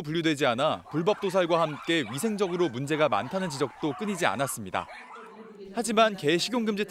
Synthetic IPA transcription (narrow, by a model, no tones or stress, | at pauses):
p̬uʎjodwe̞d͡ʑianapuɭbʌp̚t͈osʰaɭɡwahamk͈e̞ɥisʰe̞ŋd͡ʑʌɡɯɾomund͡ʑe̞ɡama̰ntʰanɯnt͡ɕid͡ʑʌk̚t͈ok͈ɯɲid͡ʑia̰nas͈ɯmɲida̰ | had͡ʑimanke̞ɕʰiɡʲjoŋɡɯmd͡ʑitʰ